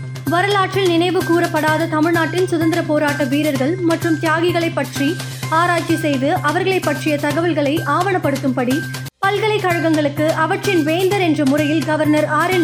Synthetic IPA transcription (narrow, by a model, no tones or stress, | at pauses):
ʋɐɾɐlaːʈrɪlnɪnɐɪʋɯkuːrɐpːɐɽaːðɐt̪ɐmɪɻnaːʈːɪnsʊðɐnd̪ɪɾɐpoːɾaːʈːɐʋiːɾɐɾɣɐɭmɐʈrɯmt̪ɪjaːɣɪɣɐɭɐɪpːɐʈri | aːɾaːt͡ʃisɛjðɯʔɐʋɐɾɣɐɭɐɪpːɐʈrɪjɐt̪ɐɣɐʋɐlɣɐɭɐɪʔaːʋɐɳɐpːɐɽɯt̪ːɯmpɐɽi | pɐlɣɐɭɐɪkːɐɻɐɣɐŋɡɐɭɯkːɯʔɐʋɐʈrɪnʋeːnd̪ɐɾɛndrɐmʊrɐjɪlɡɐʋɐɾnɐɾaːɾɪ